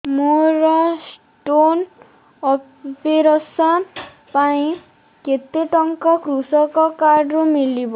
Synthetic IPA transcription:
moɾɔs | ʈon | ɔ | peɾɔsa | paĩ | ket̪eʈɔŋkɔkɾusɔkɔkaɖɾumilibɔ

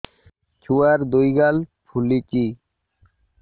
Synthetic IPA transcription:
t͡ɕʰuaɾd̪ujɡalpʰulit͡ɕi

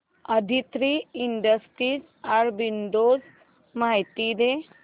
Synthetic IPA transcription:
əd̪ʱit̪ɾiiɳɖəsʈɾid͡z | aɽbinɖ̪od͡z | majt̪id̪e

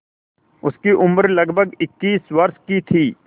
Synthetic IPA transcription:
ʊskiʔʊməɾlɐɡbʱəɡɪkːiːsʋɐɾʃkit̪ʰiː

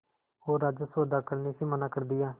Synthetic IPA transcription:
oːɾad͡ʒəsəːd̪aːkəɾniːsiːmənaːkəɾd̪ɪjaː

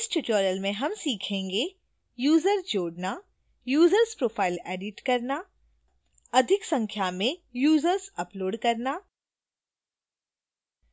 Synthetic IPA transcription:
ɪsʈɪt͡ʃɔːɾəlmẽɦɐmsiːkʰẽːŋɡe | juːzəɾsd͡ʒoːɽna | juːzəɾspɾoːfʰaːɪleːɖɪʈkɐɾna | ɐd̪ʱɪksɐ̃ŋkʰjamẽjuːzəɾzɐploːɖkɐɾnaː

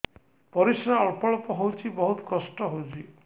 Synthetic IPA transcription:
pɔɾisɾaɔɭpɔɭɔpɔɦowt͡ʃʰibɔɦut̪ɔ̥kɔsʈɔɦowt͡ʃʰi

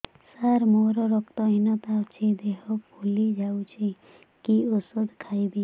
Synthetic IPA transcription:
saɾmoɾɔɾɔkt̪ɔinɔt̪aɔt͡ʃʰid̪eɦɔpʰulid͡ʒawt͡ʃʰi | kiosɔd̪kʰajbi

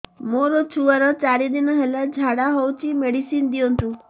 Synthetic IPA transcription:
moɾɔt͡ʃʰuaɾɔt͡ʃaɾid̪inɔɦelad͡ʒʱaɽaɦowt͡ʃʰimeɽisind̪iɔnt̪ũ

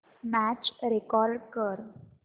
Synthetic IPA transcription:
mæt͡ɕɾekɔɾɖkəɾ

